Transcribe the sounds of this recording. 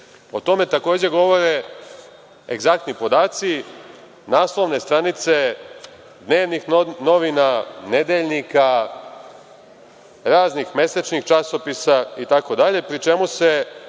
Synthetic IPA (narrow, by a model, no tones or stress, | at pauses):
o̞t̪o̞me̞t̪ako̞ːd͡ʑe̞ɡo̞ʋo̞ɾe̞ | eɡzak̚t̪nipo̞d̪aːt̪si | naːslˠo̞ʋne̞st̪ɾanit̪se̞ | d̪ne̞ːʋnixno̞ʋinaned̪eʎnika | ɾaːznixme̞set͡ʃnixt͡ʃaso̞pisait̪ako̞d̪aʎe̞pɾit͡ʃe̞muse